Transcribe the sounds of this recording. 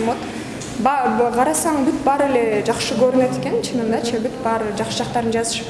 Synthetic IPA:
mot̪ | bɑqʰɑɾɑsɑɴbyt̪bɑɾe̞le̞d͡ʒɑqʃɯɡøɾynø̞t̪e̥ke̞nt͡ʃʰɯnɯnd̪ɑt͡ʃʰibyt̪bɑɾd͡ʒɑqʃɯd͡ʒɑqt̪ɑɾɯnd͡ʒɑzɯʃ

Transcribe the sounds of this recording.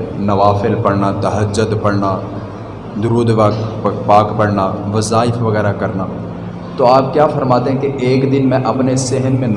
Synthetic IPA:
nɐʋaːfɪlpɐɽnaːt̪ɐɦəd͡ʒːʊd̪pɐɽnaː | d̪ʊɾuːd̪ʋakpaːkpɐɽnaːʋɐzaːɪfʋɐɣɛːɾakɐɾnaː | t̪oaːpkjaːfɐɾmaːt̪eɦɛ̃keʔeːkd̪ɪnmɛ̃ʔɐpnesɪɦənmẽn

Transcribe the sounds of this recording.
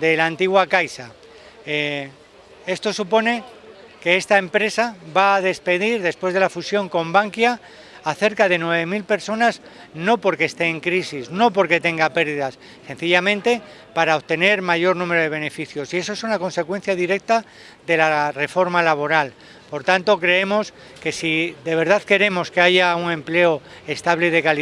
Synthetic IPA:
d̪e̞laːnt̪iɣwakajsa | e̞st̪o̞supo̞ne̞ | ke̞est̪ae̞mpɾe̞saβaːðe̞spe̞ðiɾðe̞spwe̞zð̞e̞lafusjo̞ŋko̞mbaŋkjaː | θe̞ɾkað̞e̞nwe̞β̞e̞milpe̞ɾso̞naz | no̞po̞ɾke̞st̪e̞ːŋkɾisizno̞po̞ɾke̞t̪e̞ŋɡape̞ɾðiðasːe̞nθiʎamẽnt̪e̞paɾaoβt̪e̞ne̞ɾmaʝo̞ɾnũme̞ɾo̞ðe̞β̞e̞ne̞fiθjo̞sie̞s̬o̞esunako̞nse̞kwe̞nθjaðiɾe̞k̚t̪a | ðe̞lare̞fo̞ɾmalaβ̞o̞ɾal | po̞ɾt̪ant̪o̞kɾe̞emo̞s | ke̞siðe̞β̞e̞ɾð̞aðke̞ɾe̞mo̞ske̞aʝauŋẽ̞mple̞o̞ | e̞st̪aβleð̞e̞kal

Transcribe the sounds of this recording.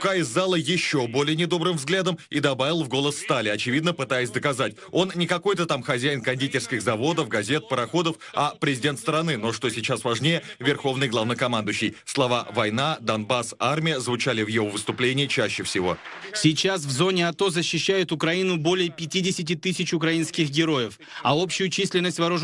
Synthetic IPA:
ʊkaɪzːalˠəjɪɕːo̞bo̞lʲɪjənʲɪd̪o̞bɾɨmvzɡlʲad̪əmid̪ɐbavʲɪlˠvɡo̞lˠəsːt̪alʲɪɐt͡ɕɪvʲid̪nəpɨt̪ajɪsʲd̪əkɐzatʲo̞nnːʲɪkɐko̞jt̪ət̪amxɐzʲæjɪnkɐnʲdʲitʲɪrskʲɪxzɐvo̞d̪əfɡɐzʲe̞t̪̚pəɾɐxo̞d̪əfɐpɾʲɪzʲɪdʲe̞nt̪st̪ɾɐnɨno̞ʂt̪o̞sʲɪt͡ɕasvɐʐnʲejəvʲɪrxo̞vnɨjɡlˠavnəjkɐmand̪ʊjɕːɪjslˠɐvavɐjnad̪ɐnbasarmʲɪjəzvʊt͡ɕalʲɪvjɪvo̞vɨst̪ʊplʲenʲɪət͡ɕæɕːɪfsʲɪvo̞̰sʲɪt͡ɕas̬vzo̞nʲɪɐt̪o̞zəɕːɪɕːæjʊt̪ʊkɾɐinʊbo̞lʲɪjəpʲɪtʲidʲɪsʲɪt̬ʲɪt̪ɨsʲɪt͡ɕʊkɾɐinskʲɪxɡʲɪɾo̞jɪf | ɐo̞pɕːʊjʊt͡ɕisʲlʲɪnːəsʲtʲvɐɾuʐ

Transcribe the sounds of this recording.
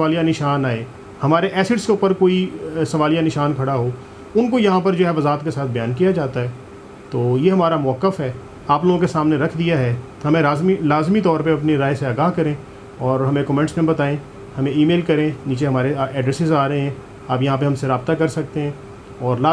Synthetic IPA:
aːlijanɪʃaːnaːeː | hɐmaːɾeʔɛːsɪʈskeʊːpəɾkoːisɐʋaːlijanɪʃaːnkʰɐɽaɦoː | ʊnkojɐɦãpɐɾd͡ʒoːɦɛʋɐzaːt̪̚kesaːt̪̚ʰbɐjaːnkijad͡ʒaːt̪aɦɛː | t̪oːjeɦɐmaːɾamʊʋəkːəfɦɛː | aːploːɡõkesaːmneɾɐkʰd̪ijaɦɛː | ɦɐmẽɾaːzmilaːzmit̪ɔːɾpeɐpneɾaːeseaːɡaːɦkɐɾẽː | ɔːɾɦɐmẽkɔːmɛ̃ɳʈsnẽmbɐt̪aːẽ | hɐmẽiːmeːlkɐɾẽniːt͡ʃeɦɐmaːɾeɛːɖɾɛsɪzaːɾɐɦeɦɛ̃ː | aːpjɐɦãp̬eɦɐ̃mseɾaːb̚t̪akɐɾsɐk̚t̪eɦɛ̃ː | ɔːɾlaː

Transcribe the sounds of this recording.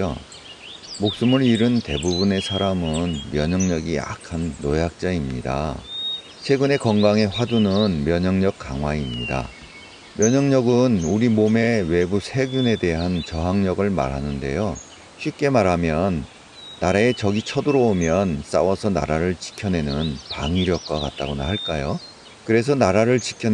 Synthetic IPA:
mok̚s͈ɯmɯɾiɾɯnte̞̰bubune̞sʰaɾamɯnmjʌɲʌŋɲʌɡia̰kʰanːojak̚t͡ɕ͈aimɲida̰ | t͡ɕʰwe̞ɡɯne̞kʌŋɡaŋe̞ɸwadunɯnmjʌɲʌŋɲʌk̚k͈a̰ŋwaimɲida̰ | mjʌɲʌŋɲʌɡɯnuɾimome̞we̞busʰe̞ɡjune̞de̞ɦant͡ɕʌɦaŋɲʌɡɯɭma̰ɾɦanɯnde̞̰jo | ɕʰɥip̚k͈e̞maɾɦamjʌnː | aɾaet͡ɕʌɡit͡ɕʰʌdɯɾʌomjʌns͈a̰wʌsʰʌna̰ɾaɾɯɭt͡ɕi̥kʰjʌne̞nɯnpa̰ŋiɾjʌk̚k͈aka̰t̚t͈aɡona̰ɦaɭk͈ajo | kɯɾe̞s̬ʰʌnaɾaɾɯɭt͡ɕi̥kʰʌ

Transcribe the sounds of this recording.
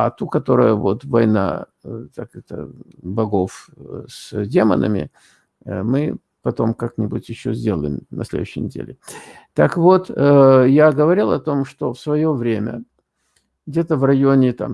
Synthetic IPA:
a̰t̪ukɐt̪o̞ɾəjəvo̞t̪vɐjna̰ | t̪akɛt̪ə̰bɐɡo̞fsdʲe̞mə̰nʔə̰mʲɪ̰ | mɨ | pɐt̪o̞mkaknʲɪbutʲjɪɕːozʲdʲelˠə̰jɪ̰mnɐ̰sʲlʲed̪ʊɕːɪjnʲɪdʲḛlʲɪ | t̪akvo̞t̪əjaɡəvɐɾʲilˠɐt̪o̞mʂt̪o̞fsvɐjo̞vɾʲemʲə̰ | ɡdʲe̞t̪əvrɐjonʲɪt̪a̰m

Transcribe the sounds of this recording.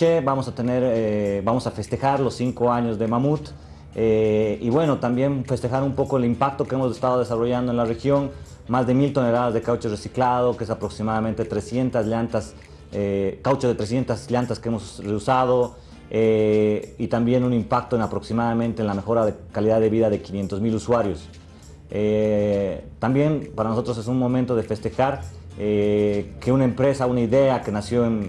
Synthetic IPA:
ebamo̞sat̪e̞ne̞ɾebamo̞safe̞st̪e̞xaɾlo̞siŋko̞aɲo̞zðe̞mamut̪ | eiβwe̞no̞t̪ambje̞nfe̞st̪e̞xaɾumpo̞ko̞elimpak̚t̪o̞keemozðest̪aðo̞ðe̞saro̞ʝand̪oe̞nlare̞xjo̞n | mazðe̞milt̪o̞ne̞laðazðe̞kawt͡ʃeresiklaðo̞keesapɾo̞ksimaðamẽnt̪e̞t̪ɾe̞sje̞nt̪azljant̪as | ekawt͡ʃeðe̞t̪ɾe̞sje̞nt̪asljant̪askee̞mo̞zreusað̞o̞ | e | it̪ambje̞nunimpak̚t̪oe̞napɾo̞ksimaðamẽnt̪enlame̞xo̞ɾaðekaliðaðːe̞βiðaðe̞kinje̞nt̪o̞zmiluswaɾjo̞s | e | t̪ambje̞npaɾanoso̞t̪ɾos̬esunmõ̞mẽnt̪o̞ðe̞fe̞st̪e̞xaɾeke̞unaempɾe̞saunaiðe̞ake̞nasjo̞en

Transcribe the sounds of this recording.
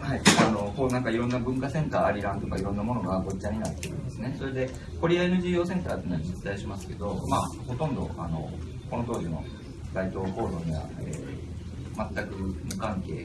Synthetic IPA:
haiano̞honãŋkaiɾõ̞nːabɯ̟̃ŋkasẽ̞nt̪aːɾʲiɾãnt̪okaiɾõ̞nːamo̞no̞ɡaɡo̞t͡ɕːaɲ̟inat̪ːe̞ɾɯ̟̃nd̪e̞sɨne̞so̞ɾe̞d̪e̞ | ko̞ɾʲiaenɯ̟ʑiːo̞ːsẽ̞nt̪aːt̪oiːnoad͡ʑit͡sɨ̥t̪aiɕimasɨ̥ke̞d̪o̞maːho̞t̪õ̞nd̪o̞̰a̰no̞̰ | ko̞no̞t̪o̞ːʑino̞̰ | d̪ait̪o̞ːho̞ːd̪o̞ɲ̟iβa̰eː | mat̪ːakɯ̟mɯ̟kãŋke̞̰ː

